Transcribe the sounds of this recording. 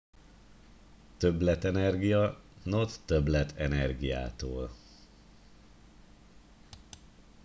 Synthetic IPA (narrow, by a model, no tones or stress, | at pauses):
t̪øblɛt̪ɛnɛrɡijɒnot̪ːøblɛt̪ʰɛnɛrɡija̰ːt̪oːl